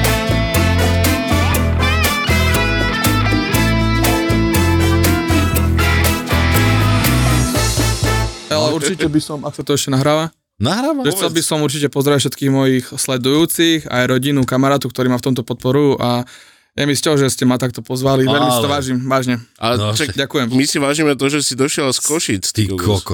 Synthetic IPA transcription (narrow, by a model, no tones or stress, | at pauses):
alɛuɾt͡ʃicɛbisɔmaksat̪ɔɛʃcɛnaɦɾaːʋa | naɦɾaːʋaʒɛxt͡sɛlbisɔmuɾt͡ʃicɛpɔzɾɛfʃɛt̪kiːɣmɔjixslɛd̪ujuːt͡sixa̰jɾɔɟinukamaɾaːt̪ɔkt̪ɔɾiːmaft̪ɔmt̪ɔpɔt̪̚pɔɾua | jamiscɛlʒɛscɛmat̪ak̚t̪ɔpɔzʋaliʋɛʎmisat̪ɔʋaːʒimʋaːʒɲɛat͡ʃakɟakujɛmmisiʋaːʒiːmɛt̪ɔʒɛsid̪ɔʃɪɛlskɔʃit͡st̪ikɔk